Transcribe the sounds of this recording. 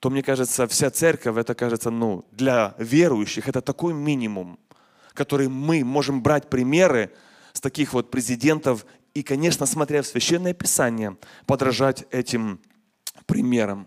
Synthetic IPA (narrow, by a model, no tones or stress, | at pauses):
t̪omnʲe̞kaʐɨt̪səfsʲat̪sɛrʲkəfʲɛt̪əkaʐɨt̪sənud̪lʲɐvʲeɾʊjʉɕːɪxɛt̪ət̪ɐko̞jmʲinʲɪmʊm | kɐt̪o̞ɾɨjmɨmo̞ʐɨmbɾatʲpɾʲɪmʲe̞ɾɨ | st̪ɐkʲixvo̞t̪̚pɾʲɪzʲɪdʲe̞nt̪əf | ikɐnʲe̞ʂnəsmɐt̪ɾʲafsvʲɪɕːenːəjəpʲɪsanʲɪjəpəd̪ɾɐʐatʲɛtʲɪm | pɾʲɪmʲe̞ɾəm